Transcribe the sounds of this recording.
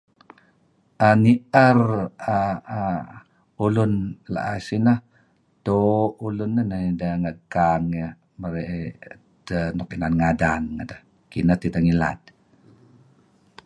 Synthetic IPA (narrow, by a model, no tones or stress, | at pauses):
ʔəniʔəra | ulunla̰ʔasinəh | t̪oulunːənəidəŋəkaŋə | məɾeʔ | d̪ənɔkinanŋadaŋːədəh | kinət̪it̪əŋila̰d̪̚